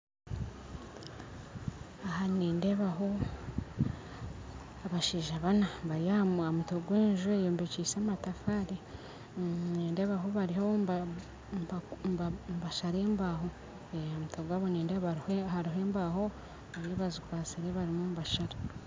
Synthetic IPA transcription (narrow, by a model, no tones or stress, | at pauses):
ahaniːndeβaɦo | aβaʃiːʒaβanaβaɾijaauamutoɡweːɲʒuejoːmbecisaːmatafaɾi | neːndeβaɦoβaɾiho | mbaʃaɾe̞ːmbaɦo | eamutoɡwaβoniːndeaɾhaɾiɦe̞ːmbaho | βaɾijoβazikwaːt͡siɾeβaɾimumβaʃaɾa